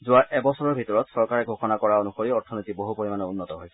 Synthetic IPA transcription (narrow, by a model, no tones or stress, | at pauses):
zʊaɹʔɛbɔsɔɹɔɹbʱitɔɹɔtsɔɹkaɹɛɡʱoxɔnakɔɹaonuxoɹiɔɹtʰɔnojtiboɦupoɹimanɔunːɔtɔɦojsɛ